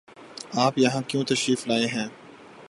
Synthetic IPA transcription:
aːpjɐɦãkjõːt̪ɐʃɾiːflaːeɦɛ̃ː

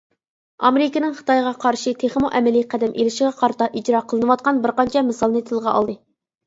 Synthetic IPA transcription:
ɑ̰meɾɪkʲɪnɪŋχə̥t̪ɑjʁɑqʰɑɾʃit̪ʰeχmoʔɛmɛliqʰæd̪ɛmʔelɪʃɪʁɛqʰɑɾt̪ɑʔid͡ʒɾɑqʰəlˠɨnɨwɑt̪̚qɑnbɪɾqɑnt͡ʃʰɛmɨsɑlˠnɨt̪ʰɨlˠʁɑʔɑ̰lˠd̪ɨ

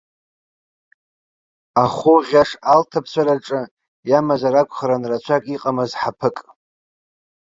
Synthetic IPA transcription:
aχʊʁʲaʂaltʰapʰsʰʷaɾaʈ͡ʂʼɨ | jamazaɾakʷʰʼχaɾanrat͡ʃʷʰakʼiqʼamɨzħapʰɨkʼ

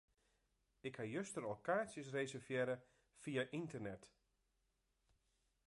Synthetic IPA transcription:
ɪkhajøstəɾokaːsjəsrejsərvjɛɾə | fiaʔintərnɛt

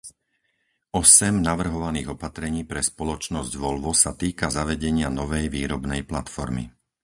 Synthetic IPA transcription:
ɔsɛmnaʋr̩ɦɔʋaniːɣɔpat̪ɾɛɲiːpɾɛspɔlɔt͡ʃnɔzɟʋɔlʋɔsat̪iːkazaʋɛɟɛɲɪanɔʋɛjʋiːɾɔbnɛjplat̪fɔɾmḭ

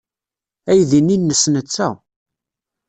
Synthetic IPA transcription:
æjðininːəsnət͡sːæ

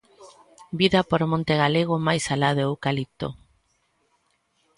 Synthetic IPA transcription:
biðapoɾmõnt̪eɣaleɣ̞omajsalaðeowkalit̪o̰

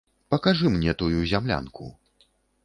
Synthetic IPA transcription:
pɐkaʐɨmnʲɛt̪ujuzʲamlʲa̰nkʰṵ

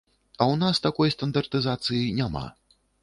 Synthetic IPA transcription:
ɐwnast̪akɔjst̪ɐnd̪ɐrt̪ɨzat̪sɨjinʲama̰

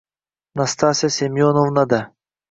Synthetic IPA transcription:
nɐst̪aːsʲɐsʲemjoːnovnɐd̪ɐ

